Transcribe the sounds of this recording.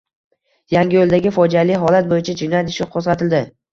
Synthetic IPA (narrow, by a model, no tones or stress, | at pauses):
jaŋɡʲɪjolˠd̪aɡʲɪfɒd͡ʒalɪɦɒlat̪̚bojɪt͡ʃʰad͡ʒɪnjat̪ʰɪʃʊqʰozʁɑt̪ʰɪld̪ɪ